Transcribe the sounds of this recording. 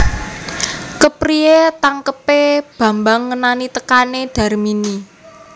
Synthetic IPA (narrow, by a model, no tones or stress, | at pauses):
kəpɾiet̪aŋkəpeb̥ä̤mbaŋːənanit̪əkaneɖ̥ä̤rmini